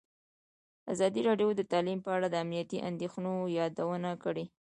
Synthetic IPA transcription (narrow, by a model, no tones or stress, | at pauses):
a̰zɑd̪iɾɑɖjod̪ət̪ɑlimpəaɽad̪əamnijat̪iʔa̰nd̪exnojɑd̪awənakəɽe